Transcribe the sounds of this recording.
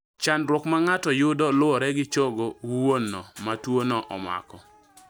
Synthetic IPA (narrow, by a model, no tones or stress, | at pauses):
t͡ʃandɾwɔkmaŋatɔjʊdɔlʊɔɾɛɡɪt͡ʃoɡowwonːɔmatwonɔʔɔ̰ma̰kɔ